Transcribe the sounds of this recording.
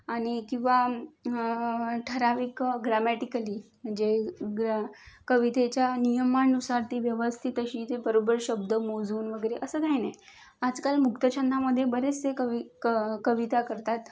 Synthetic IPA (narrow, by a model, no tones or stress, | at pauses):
aɽ̃ikĩw̃ʋa | ʈʰəɾaʋiːkɡɾamæʈikəliːməd͡ʑe | kəʋit̪et͡ɕjanijəmanːusaɾt̪iːʋjəʋəst̪ʰiːt̪əɕiːt̪ebəɾobəɾɕəb̚d̪əmod͡zuːnʋəɡəjɾeʔəsəːd̪ʱajnə | ad͡zkalmukt̪ət͡ɕʰənd̪ʱaməd̪ʱːjebəɾet͡seə | kəʋit̪akəɾt̪at̪